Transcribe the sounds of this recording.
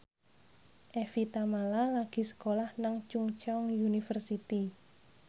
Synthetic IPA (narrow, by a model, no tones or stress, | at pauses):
ʔefit̪amalalaɡ̥i̤sə̥kolahnaŋt͡ʃuŋt͡ʃɔŋjunifərsit̪i